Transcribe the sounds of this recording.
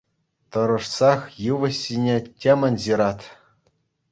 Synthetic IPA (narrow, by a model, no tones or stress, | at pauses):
t̪ɤ̆ɾɤ̆ʂsɑχjɯʋɤ̆ɕːinʲetʲemʲɘ̆nʲʑiɾɑt̪ʲ